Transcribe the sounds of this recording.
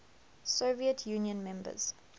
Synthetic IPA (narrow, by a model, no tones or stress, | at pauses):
soviətʰjũːnjə̃nmɛ̃mbə̰z̥